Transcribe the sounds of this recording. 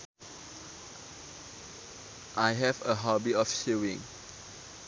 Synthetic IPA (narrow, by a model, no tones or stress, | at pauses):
ʔajɦɛvəɦɔbiɔfʃuwĩŋ